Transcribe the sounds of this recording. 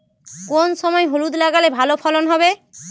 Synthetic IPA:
konsɔmɔeɦolud̪laɡalebʱalopʰɔlɔnɦɔbe

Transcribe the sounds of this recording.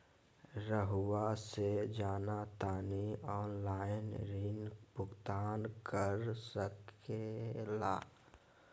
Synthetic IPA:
ɾəɦʊwased͡ʒaːnat̪aːniɔːnlaːɪnɾinpʊɡt̪aːnkəɾsəkela̰ː

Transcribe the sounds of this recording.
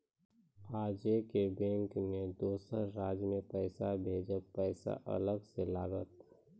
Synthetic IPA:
aːd͡ʒekebɛ̃ːŋkned̪oːsəɾɾaːd͡ʒmẽpɛːsabʱeːd͡ʒəpɛːsa̰ʔɐ̰ləɡselaːɡət̪̚

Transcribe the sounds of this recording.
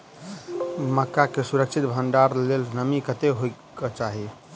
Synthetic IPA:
məkːakesuɾəkt͡ʃʰit̪bʱənɖaɾlelnəmikət̪eɦojkɔt͡ʃaɦi

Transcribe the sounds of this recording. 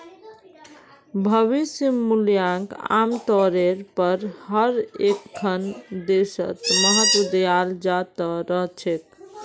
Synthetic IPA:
bʱəʋisimːuljãŋka̰mt̪ɔɾeɾpəɾɦəɾekʰːənd̪esə̰t̪məɦət̪wəd̪əjald͡ʒat̪əɾəɦt͡ʃʰet̪̚

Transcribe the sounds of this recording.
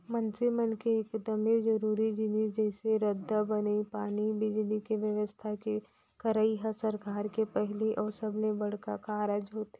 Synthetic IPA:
mɐnsimənkekd̪əmed͡ʒɐɾuːɾid͡ʒɪnid͡ʒɛːseɾəd̪ːabɐnipaːnibid͡ʒlikeʋjəʋəst̪ʰake | kɐɾaiɦasɐɾkaːɾkepɛɦliʔɔːɾsɐbnẽbɐɽ̤kakaːɾaːd͡ʒɦoːt̪ɛ

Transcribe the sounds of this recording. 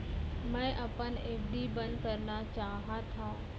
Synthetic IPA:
mɛ̃ʔɐpəneːbɗ̪ibɐnd̪kəɾnat͡ɕaːɦat̪ʰãː

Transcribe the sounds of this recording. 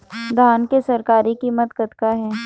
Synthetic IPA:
d̪ʱaːnkesɐɾkaːɾikiːmət̪kət̪kaɦɛː

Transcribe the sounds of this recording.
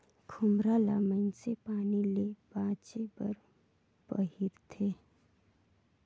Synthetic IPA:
kʰʊmɾaːlamə̃nsepaːnilebãːt͡ʃebəɾ | bə̰ɦiɾt̪ʰeː

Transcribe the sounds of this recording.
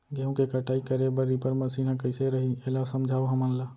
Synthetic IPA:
ɡeũkekəʈaːikəɾebəɾipəɾməsiːnãkəɪseɾɐɦieːlasəmd͡ʒʱaːoɦɐmənlaː

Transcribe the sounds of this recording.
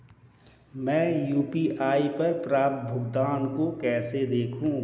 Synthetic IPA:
mɛ̃ːjuːpiʔaːipɐɾpɾaːp̚t̪̚bʱʊɡd̪aːnkokɛːsed̪eːkʰũː

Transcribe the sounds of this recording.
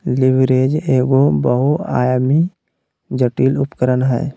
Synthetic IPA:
liʋɾed͡ʒeːɡobəɦua̰ːjmi | d͡ʒəʈiːlʊpkəɾənɦɛ̰ː

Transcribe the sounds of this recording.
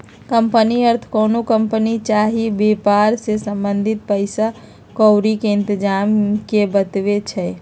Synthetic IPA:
kəmpəniəɾt̪ʰkonokəmpənit͡ʃaɦibepaɾsesəmbənd̪ʱit̪̚pəɪsa | kɔwɾikeɪnt̪əd͡ʒamkebət̪ʋet͡ʃʰɛ

